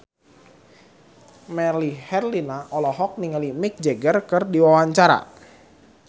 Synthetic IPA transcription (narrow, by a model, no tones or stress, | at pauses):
mɛlihɛrlinaʔɔlɔɦɔk̚niŋalimɪk̚d͡ʒɛɡərkɨrdiwawaɲt͡ʃaɾa̰